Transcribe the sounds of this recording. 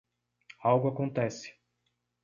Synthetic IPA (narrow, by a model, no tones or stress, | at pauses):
awɡʊakõnt̪ɛsɪ̥